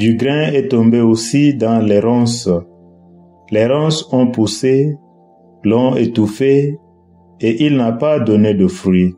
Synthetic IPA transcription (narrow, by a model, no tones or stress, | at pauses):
d̪yɡʁɛ̃ɛt̪ɔ̃mbeosid̪ɑ̃lɛʁɔ̃s | lɛʁɔ̃sɔ̃puse | lɔ̃et̪ufe | eʔilnapad̪ɔned̪əfʁɥi